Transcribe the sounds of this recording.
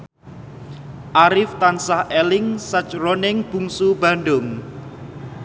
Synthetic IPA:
ʔaɾɪft̪ansahɛlɪŋsət͡ʃronɪŋb̥uŋsubaɳɖʊŋ

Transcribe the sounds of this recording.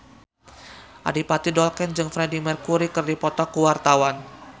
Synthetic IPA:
ʔa̰dipat̪idɔlkɛnd͡ʒɨŋfɾɛdimɛrkuɾikɨrdipɔt̪ɔkuwart̪awan

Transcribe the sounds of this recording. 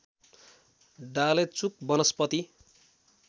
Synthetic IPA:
ɖalet͡suk̚bʌnʌspʌt̪i

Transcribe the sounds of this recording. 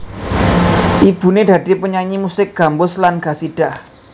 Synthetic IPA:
ʔib̥ṳned̥ä̤d̪̥i̤pəɲaɲimusɪk̚ɡ̥a̤mbʊslanɡ̥a̤siɖ̥ah

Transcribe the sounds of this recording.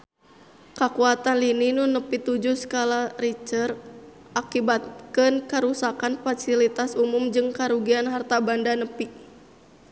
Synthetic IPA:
kakuat̪anlininunəpit̪ud͡ʒusə̥kalarit͡ʃər | ʔakibat̪̚kənkaɾusakanfasilit̪asumumd͡ʒɨŋkaɾuɡianɦart̪abandanəpi

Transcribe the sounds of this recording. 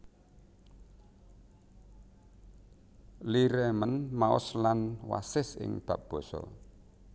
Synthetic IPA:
liɾemənmaʊ̰slanwa̰sɪsɪ̰ŋb̥ä̤p̚b̥ɔ̤sɔ̰

